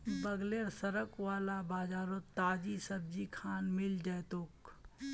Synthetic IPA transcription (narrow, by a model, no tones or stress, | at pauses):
bɐɡleːɾsɐɾəkwaːlabaːd͡ʒaːɾot̪aːd͡ʒisɐb̚d͡ʒikʰaːnmɪld͡ʒɐjt̪oːk